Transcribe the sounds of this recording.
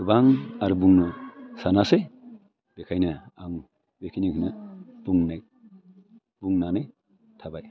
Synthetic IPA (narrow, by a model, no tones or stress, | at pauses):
kɯbaŋaɾubuŋnɯsanasej | b̥ekʰajnɯaŋ | bekʰijniŋhinɯb̥uŋnaj | buŋnanɯj | tʰabaj